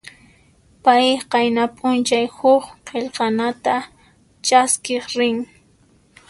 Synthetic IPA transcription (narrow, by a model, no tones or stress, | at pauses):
pajqɑjnapʼʊnt͡ʃajhʊχqeʎqɑnat̪a | t͡ʃaskɪχɾɪŋ